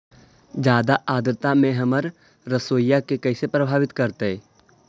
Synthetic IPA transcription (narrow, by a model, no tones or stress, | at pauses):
d͡ʒjaːd̪aʔaːd̪ɾt̪amẽɦɐməɾː | əsoːjːakekɛːsepɾəbʱaːʋɪt̪kɐɾt̪eɛː